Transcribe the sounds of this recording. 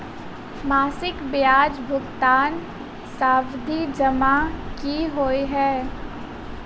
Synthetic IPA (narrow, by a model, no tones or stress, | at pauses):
maːsɪkbɪjaːd͡ʒbʱʊɡt̪aːn | saːbd̪ʱid͡ʒɐmakiɦoːiɦɛː